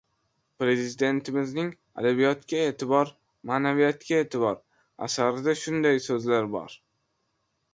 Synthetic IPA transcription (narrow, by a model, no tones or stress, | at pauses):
pɾe̞zɪɪd̪e̞nt̪ʰɪmɪznɪŋ | a̰d̪abijɒt̪kʲae̞t̪ʰɪbɒɾ | maːnavijat̪kʲae̞ːt̪ʰɪbɒɾ | a̰saɾɪd̪aʃʊnd̪ajsɵzlaɾbɒ̰ɾ